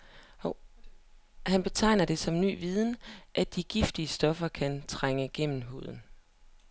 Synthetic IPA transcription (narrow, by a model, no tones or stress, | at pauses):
hænb̥e̝t͡sʰɑ̈ɪ̰nɐd̥e̝sɒ̽mny̰ːʋið̞ˠn̩ʔæ̥iɡ̥ifd̥iəsd̥ɒ̽fɐkʰænt͡sʰʁaŋəɡ̥en̰m̩ɦo̝̰ð̞̰ˠn̩